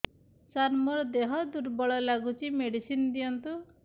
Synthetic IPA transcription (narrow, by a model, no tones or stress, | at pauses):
saɾmɔɾɔd̪eɦɔd̪uɾbɔɭɔlaɡut͡ʃʰimeɽisind̪ijɔnt̪u